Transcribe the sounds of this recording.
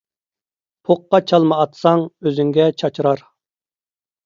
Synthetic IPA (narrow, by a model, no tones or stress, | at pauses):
pʰoqːɑt͡ʃʰɑlˠmɨːt̪sɑŋøzyŋɡʲɛt͡ʃʰɑt͡ʃʰɾɑɾ